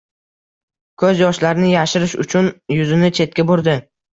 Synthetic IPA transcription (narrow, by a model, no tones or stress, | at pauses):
kʰɵzjɒʃlaɾnɪjaʃɪɾɪʃʊ̰t͡ʃʰʊnjʊzɪnɪt͡ʃʰe̞t̪̚kʲabʊɾd̪ɪ